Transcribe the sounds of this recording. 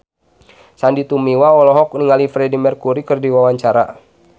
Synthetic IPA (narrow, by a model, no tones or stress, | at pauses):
sandit̪umiwaɔlɔɦɔk̚niŋalifɾɛdimərkuɾikərdiwawaɲt͡ʃaɾa̰